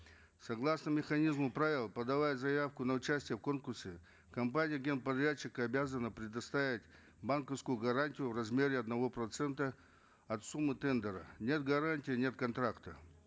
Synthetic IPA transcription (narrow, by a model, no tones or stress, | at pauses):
sɐɡlˠasnəmʲɪxɐnʲizmʊpɾavʲɪlˠpəd̪ɐvajəzɐjafkʊnəʊt͡ɕæsʲtʲɪjəfko̞nkʊrsʲɪ | kɐmpanʲɪjəɡʲe̞npɐd̪ɾʲat͡ɕːɪkəɐbʲazənəpɾʲɪd̪ɐst̪avʲɪtʲ | bankəfskʊjʊɡɐɾanʲtʲɪjʊvrɐzmʲeɾʲɪɐd̪nɐvo̞pɾɐt̪sɛnt̪ə | ɐt̪sumːɨt̪ɛnd̪əɾənʲe̞t̪ɡɐɾanʲtʲɪjːnʲe̞t̪̚kɐnt̪ɾakt̪ə